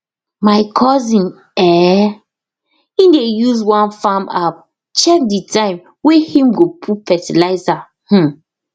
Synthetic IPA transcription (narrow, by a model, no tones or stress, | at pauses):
maɪkʰɔzĩn | ɛ | indejuzwãnfama | t͡ʃɛk̚ditʰãɪ̃m | wehĩmɡopʰufɛtilaɪza | h̩